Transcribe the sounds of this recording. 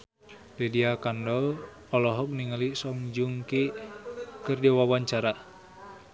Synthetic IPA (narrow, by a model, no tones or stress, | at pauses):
dɛdiakandɔl | ɔlɔɦɔk̚niŋalisɔŋd͡ʒuŋki | kɨrdiwawaɲt͡ʃaɾa